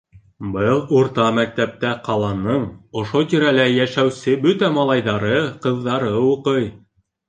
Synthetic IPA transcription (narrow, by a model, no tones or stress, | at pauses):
bɤlˠuɾt̪ɑmæk̚t̪æp̚t̪æqɑlˠɑnɤɴŏʃot̪iɾælæjæʃæwsɘbɵt̪æmɑlˠɑjðɑɾɤqɤ̆ðːɑɾɤuqɤj